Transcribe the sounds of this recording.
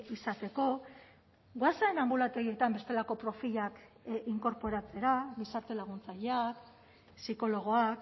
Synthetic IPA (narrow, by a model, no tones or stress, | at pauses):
isat̪e̞ko̞ | ɡwasaenambulat̪e̞ɣie̞t̪ambe̞st̪e̞lako̞pɾo̞fiʎakiŋko̞ɾpo̞ɾat͡se̞ɾabisaɾt̪e̞laɣ̞unt͡saʎeak | siko̞lo̞ɣ̞o̞ak